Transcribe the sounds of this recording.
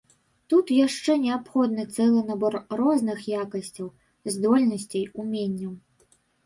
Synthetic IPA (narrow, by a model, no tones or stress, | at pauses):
t̪ut̪jaʂt͡ʂɛnʲɛapxɔd̪nɨt̪sɛlˠɨnabɔrrɔznɨxjakɐsʲt͡sʲɐw | zd̪ɔlʲnɐsʲt͡sʲɐjumʲenʲːɐw